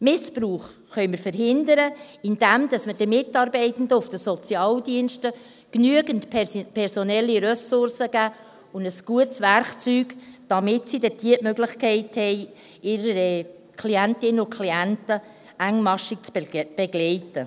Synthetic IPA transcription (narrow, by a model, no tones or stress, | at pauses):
mɪspɾuːχ | χœʏməɾfəɾɦɪndəɾəɪnd̥ɛmd̥ɑsmədəmɪtɑːɾbɛɪtən̩dəʊfd̥əsɔt͡sjɑːldiənʃtə | knyəɡəntpʰɛɾsɔnɛlːiɾœsʊɾsəɡ̥æː | ʊndəsɡ̥uətsvæɾkt͡syːɡ̥d̥ɑmɪtsidɛtiətmøɡlɪχkʰɛɪthɛɪ | ɪɾə | kʰliæntɪnəʊkʰliæntə | æŋmɑʃɪkt͡sb̥ɛɡlɛɪtə